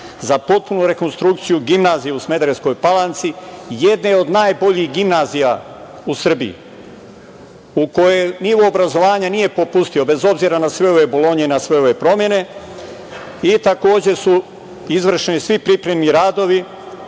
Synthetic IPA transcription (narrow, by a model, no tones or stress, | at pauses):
zapo̞t̪̚punuɾe̞ko̞nst̪ɾukt̪sijuɡimnaːzijeusme̞d̪ɾesko̞jpalant̪sije̞d̪neo̞d̪naːjbo̞ʎixɡimnaːzija | usr̩bḭḭ | uko̞jeniːʋo̞ːbɾazo̞ʋaːɲanije̞po̞pust̪io̞be̞zo̞bziɾanasʋe̞o̞ʋe̞bo̞lˠo̞ɲe̞inasʋe̞o̞ʋe̞pɾo̞mje̞ne̞ | it̪ako̞ːd͡ʑe̞su | izʋr̩ʃenisʋipɾipɾe̞mniɾaːd̪o̞ʋi